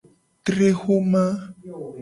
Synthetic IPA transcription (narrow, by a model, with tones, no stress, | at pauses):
t̪ɾe˦xo˦mã˦